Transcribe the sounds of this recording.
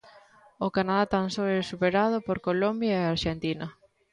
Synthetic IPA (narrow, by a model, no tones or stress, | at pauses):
okanaðat̪ansoesupeɾað̞ʊpoɾkolombjaeaɾʃent̪inɐ